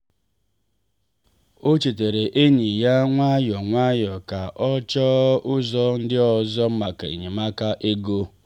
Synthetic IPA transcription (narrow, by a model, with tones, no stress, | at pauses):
o˦t͡ʃi˨te˨ɾe˨ʔe˦ɲi˨ja˦ŋʷa˦jɔ˨ŋʷa˦jɔ˨ka˨ʔɔ˦t͡ʃɔ˦ʊ˦zɔ˦n̩˦dɪ˦ɔ˨zɔ˦m̩˦ma˨ka̰˨ḭ˨ɲe˨ma˦ka˦ʔe˦ɡo˦